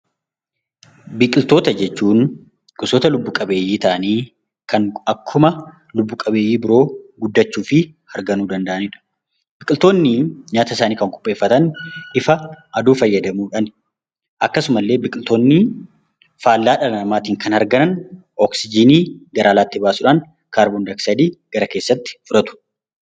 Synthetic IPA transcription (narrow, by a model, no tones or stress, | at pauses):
bɪkʼɪlt̪o̞ːt̪ɐd͡ʒɛt͡ʃːuːn | ɡ̥ʊsoːt̪ɐlʊbːuːkʼɐbe̞ːjːiːt̪ɐʔɐniː | kʰɐŋɐkʰːʊmɐ | lʊbːuːkʼɐbe̞ːjːiːbɪɾo̞ːɡʊd̪ːɐt͡ʃːuːfɪ | hɐɾɡɐnuːd̪ɐnd̪ɐʔɐnɪᶑɐ̥ | b̥ɪkʼɪlt̪o̞ːnːɪɲaːt̪ɐɪs̬aːniːkɐŋkʼʊ̥pʼːeːfːɐt̪ɐnɪfɐʔɐd̪uːfɐjːɐd̪ɐmuːᶑɐn | ʔɐkːɐsʊmɐlːeːbɪkʼɪlt̪o̞ːnːɪ | faːlːaːᶑɐlɐɐmaːt̪iːŋkɐnhɐɾɡɐnɐn | ɔksɪd͡ʒɪniːɡɐɾʔaːlaːt̪ːɪbaːsuːᶑaːn | kaːɾbond̪ɐksɐd̪iːɡ̥ɐɾɐke̞ːsːɐt̪ːɪ̥fʊɾɐt̪ʊ̥